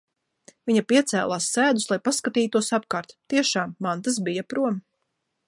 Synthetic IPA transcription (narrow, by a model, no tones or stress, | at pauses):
viɲapiɛt̪sæ̰ːlˠaːsːæːd̪uslˠajpaskat̪iːt̪uɔsap̚kaːɾt̪t̪iɛʃaːmːant̪as̬bijapɾuɔm